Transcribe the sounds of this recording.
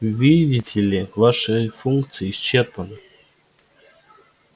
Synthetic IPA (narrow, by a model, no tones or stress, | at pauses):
vʲidʲɪtʲʰɪlʲɪvaʂɨfunkt̪sɨjɪːst͡ɕerpənɨ